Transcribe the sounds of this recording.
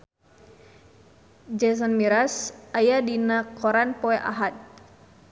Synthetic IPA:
d͡ʒɛs̬ɔnmiɾasajadinakʰɔɾanpɔɛʔa̰ɦat̪̚

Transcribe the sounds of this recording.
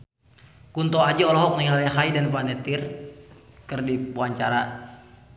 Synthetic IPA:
kunt̪ɔad͡ʒaɔlɔɦɔk̚niŋalɛɦaidanpanɛt̪ir | kɨrdipuaɲt͡ʃaɾa

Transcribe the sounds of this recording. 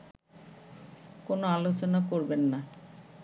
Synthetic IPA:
konoalot͡ɕonakoɾbenːa

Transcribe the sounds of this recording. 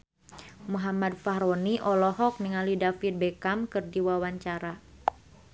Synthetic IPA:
muɦamadfaɦɾɔniʔɔlɔɦɔk̚niŋalidafit̪̚bɛkamkɨrdiwawaɲt͡ʃaɾa

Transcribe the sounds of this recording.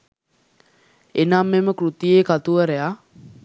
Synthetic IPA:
enamːeməkrut̪ijeːkat̪uʋəɾea

